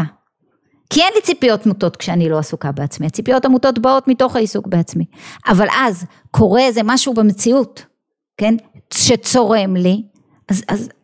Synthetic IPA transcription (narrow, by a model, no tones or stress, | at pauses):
kienlit͡sipijo̞tmuto̞tkʃeanilo̞asukabeat͡smiat͡sipijo̞tamuto̞tbaotmito̞χhaisukbeat͡smiʔavalʔaz | kʰo̞ʁe̞zemaʃubemet͡siut | ke̞nʃet͡so̞ʁe̞mli | ʔazaz